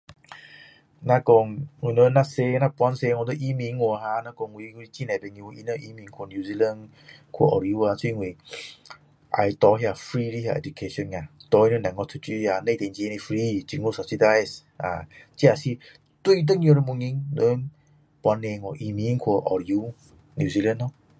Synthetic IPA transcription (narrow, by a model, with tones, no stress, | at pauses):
na˧kɔ˧ŋŋi˨nə˦na˧se˧˦˧na˧pwa˧˦nse˧˦ŋɔ˧nə˦˧ʔi˧˦mĩ˧˦ŋo˧˨ɦa˧na˦kɔ˧ŋwi˧˦u˧ɾi˧˦t͡ɕi˦na˨bɛ˧ŋju˧i˧nə˧˦ʔi˧˦mi˧˦ŋkʰo˧˨nju˧zi˧lə˧˦n | kʰo̰˧˨ʔɔ˨ɾi˧u˧˦a˧˨t͡su˦i˦ŋwi˨ | ʔa̰˧jt̪ɔ˧ɦi˧a˧˨fɾi˦ɾi˧˦ɦa̰˧ʔɛ̰˨d͡ʒu˨kʰe˧ʃɔ˧˦na˨t̪ɔ˧i˦nə˦na˨ŋɔ˧tʰu˧t͡ʃi˧˦a˨ne˧t̪e˨ŋd͡ʒi˧ne˧fɾi˧t͡ɕi˧ŋo˧˦sa˧˨p̚si˧da˧js | a̰˨t͡ɕi˦a˨si˧ | t̪u˧˦t̬ə˦ɲi˧o˧ɾə˧˦mu˧ŋi˧ŋnə˧˦n | pwa˧˦nːe˧ŋɔ˧˨ʔi˧mi˧˦ŋkʰo˧ʔɔ̰˨ɾi˧u˧˦ | nju˧zi˧lə˦nːɔ˦